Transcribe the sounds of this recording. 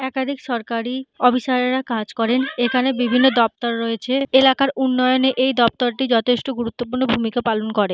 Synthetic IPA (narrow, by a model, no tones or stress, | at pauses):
ɛkad̪ʱikʃɔɾkaɾiɔbʱiʃaɾeɾakad͡ʑkɔɾenekʰanebibʱinːod̪ɔp̚t̪oɾːoet͡ɕʰeelakaɾunːɔjoneʔejd̪ɔp̚t̪oɾʈid͡ʑɔt̪ʰeʃʈoɡuɾut̪ːopuɾnobʱumikapalonkɔɾe